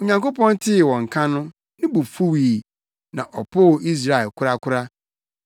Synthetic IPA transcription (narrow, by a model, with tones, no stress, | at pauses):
o˨ɲã˨ŋko˦pɔ̃˦n˦tʰɪ˦˨wɔ̃˨ŋ˨kʰã˦nʊ̃˦ | nɪ̃˦bu˨fu˦wiː˨ | nã̰˨ʔɔ˨pʰʊː˦˨i˦s̬ɾa˦˨ɛ˨lkʰʊ˦ɾa˦kʰʊ˦ɾa˦